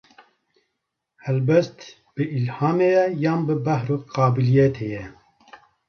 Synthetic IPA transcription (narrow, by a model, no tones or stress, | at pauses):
hɛlbɛst̪ | b̥ɨilhɑːmejɛjɑːnbɨbɛhɾoqɑːbilijɛt̪ʰejɛ